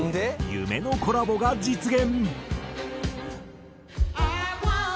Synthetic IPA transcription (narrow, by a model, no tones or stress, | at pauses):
nd̪ejɯ̰me̞no̞ko̞ɾabo̞ɡad͡ʑit͡sɨɡẽ̞n